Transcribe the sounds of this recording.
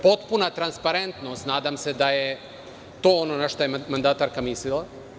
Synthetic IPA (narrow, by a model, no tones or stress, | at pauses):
po̞t̪punat̪ɾanspaɾent̪nost̪naːd̪amsed̪aje | t̪o̞ːononaʃt̪ojemand̪at̪aɾkamislilˠa